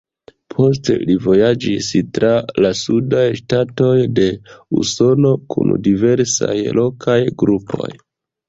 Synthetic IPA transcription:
pʰo̞s̬tḛlivo̞jad͡ʒistɾalasudajʃtato̞jde̞ṵso̞no̞kʰṵndive̞ɾsa̰jlo̞kʰajɡɾupʰo̞̰j

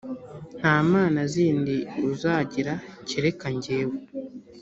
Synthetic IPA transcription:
n̥haːmaːnaziːndiuzaːɟiɾaceɾekaɲɟeːwe

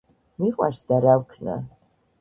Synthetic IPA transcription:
niqʷʼa̰ʃdaɾawkʰnɨ̰

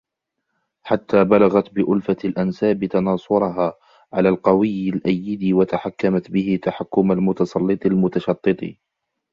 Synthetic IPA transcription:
ħat̪ːaːbalaɣat̪bɪʔʊlfalʔansaːbɪt̪ɑnɑːsˤʊɾˤɑɦaː | ʕalaːlqɑwɪjːɪlʔajːɪd̪iwat̪aħakːamat̪bɪhɪt̪aħakːʊmalmʊt̪ɑsˤɑlːɨt̪ˤlmʊt̪ɑʃɑt̪ˤːɨt̪ˤḭ

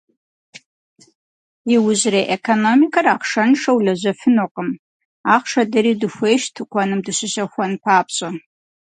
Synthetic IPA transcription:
iwʊʑreːʔekʰonomikʰɐraːqʂɐnʂɐwlɐʑɐfɨnoqʼəm | aːχʂɐdɐɾiːdɨxʷeːjʃtʰɨkʷʰɐnɨmdɨɕɪɕɐxʷɐnpʰaːpʰɕʼɐ

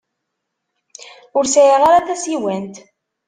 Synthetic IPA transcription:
ʊɾsæjaʁaɾaθæsiwænt̪

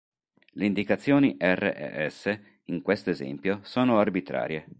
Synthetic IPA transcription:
leind̪ikat̪sːjoːniʔɛrːḛʔɛ̰ʔɛsːe | iŋkwest̪oezɛ̰mpjosɔːnoarbit̪ɾa̰ːɾje

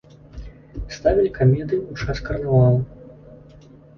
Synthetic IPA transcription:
st̪avʲilʲikamʲɛd̪ɨut͡ʂaskɐrnavalˠ

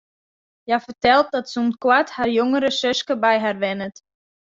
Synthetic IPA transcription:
jafərtɛlˠt̚dɔtsumkwathaːrjoŋəɾəsøskəbɛjɦaːrʋɛnət

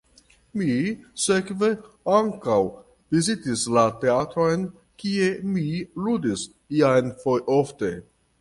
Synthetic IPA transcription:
misekve̞ | aŋkaw | vizitislate̞atɾo̞jn | kie̞miludis | iajnfojofte̞

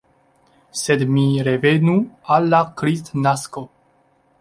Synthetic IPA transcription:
sed̪miɾevenualːakɾist̪nasko

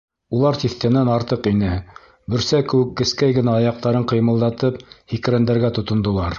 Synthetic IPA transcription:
ulˠɑɾt̪iθt̪æ̆nænɑɾt̪ɤqinɘ | bɵ̆ɾsækɘ̆wɘ̆kːɘ̆skæjɡɘ̆næɑjɑq̚t̪ɑɾɤɴqɤ̆jmɤ̆lˠd̪ɑt̪ɤphik̆ɾænd̪æɾɡæt̪ŏt̪ŏnd̪ŏlˠɑɾ

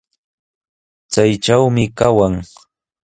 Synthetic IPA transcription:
t͡sajʈ͡ʂawmɪkawaŋ

